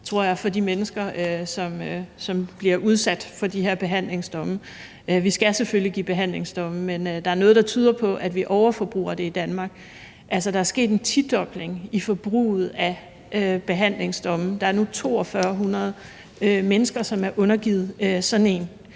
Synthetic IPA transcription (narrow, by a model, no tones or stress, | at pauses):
t͡sʰʁo̝ɐ̰jɑ̈ɪfɒ̽d̥imenəsɡ̥ɐøsɒ̽møsɒ̽mb̥liɐʔuð̞ˠsæd̥fɒ̽d̥iɦe̝ɐ̰b̥e̝ɦæn̰le̝ŋsd̥ɒ̽mə | ʔøʋisɡ̥æseføljiɡ̥ḭːb̥e̝ɦæn̰le̝ŋsd̥ɔ̽məmenød̥ɑ̈æɐnɔ̽ːðˠd̥ɑ̈t͡sʰyːð̞ˠɐpʰɒ̽ʔæd̥ʋiʔɒʊɐfɒ̽b̥ʁṵːɐd̥e̝id̥ænmɑ̈ːɡ̥ | ʔælsɐd̥ɑ̈æɐsɡ̥e̝̰ːd̥e̝nt͡sʰid̥ɒ̽b̥le̝ŋifɒ̽b̥ʁṵːð̩ˠæ | øb̥e̝ɦæn̰le̝ŋsd̥ɒ̽məd̥ɑ̈æɐnut͡sʰo̝̰ːɒ̽fɶɐɦunɐð̞̩ˠ | ømenəsɡ̥ɐsɒ̽mæɐʔɔ̽nɐɡ̥ið̞̩ˠøsɒ̽nn̩e̝ːn